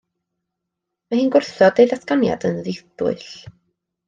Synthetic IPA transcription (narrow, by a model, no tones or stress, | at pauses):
mahiːnɡʊrθɔdejðaskanja̰dənðɪθʊ̰ɬ